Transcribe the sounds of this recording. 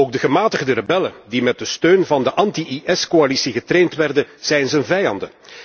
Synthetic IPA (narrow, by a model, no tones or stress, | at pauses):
oːɡ̚dəɣəmaːtəɣdərebɛlədimɛt̚dəstøːnvɑndəʔɑntiʔiʔɛskoalisiɣətɾeːntʋɛrdəz̥ɛjnzənvɛjɑndə